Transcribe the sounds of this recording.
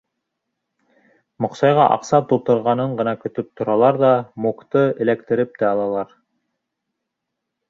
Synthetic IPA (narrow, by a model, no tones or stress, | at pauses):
mŏqsɑjʁɑ̰ʔɑ̰qsɑp̚t̪ulˠt̪ɤ̆ɾʁɑnɤɴɢɤ̆nɑkɵ̆t̪ɵp̚t̪ŏɾɑlˠɑɾðɑmukt̪ɤɘ̆lækt̪ɘ̆ɾɘp̚t̪æɑlˠɑlˠɑɾ